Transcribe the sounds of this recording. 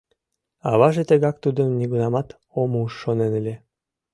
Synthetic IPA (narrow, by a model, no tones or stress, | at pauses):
ɑβɑʒet̪əɣɑk̚t̪ud̪əmniɣunɑmɑt̪ | omuuʃːonenelʲe